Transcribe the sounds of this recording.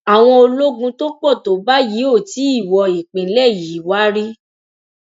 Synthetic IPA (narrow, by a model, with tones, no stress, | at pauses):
a˨w̃ɔ̃˧o˧lo˦ɡũ˧to˦k͡pɔ˦˨to˨˦ba˦ji˨˦o˦˨ti˨˦i˦˨wɔ˧i˨k͡pĩ˨˦lɛ˦˨ji˨˦wa˦ɾi˦